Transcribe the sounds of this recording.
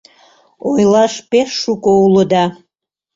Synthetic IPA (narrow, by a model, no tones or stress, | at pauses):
ojlɑʃpeʃːukouləd̪ɑ